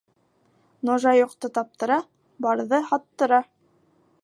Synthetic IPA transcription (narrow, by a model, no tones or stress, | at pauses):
noʒɑjŏqt̪ɤt̪ɑp̚t̪ɤ̆ɾɑ | bɑɾðɤhɑt̪ːɤ̆ɾɑ